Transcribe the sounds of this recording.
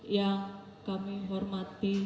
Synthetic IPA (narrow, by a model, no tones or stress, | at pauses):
jaŋ | kamiɦɔrmat̪i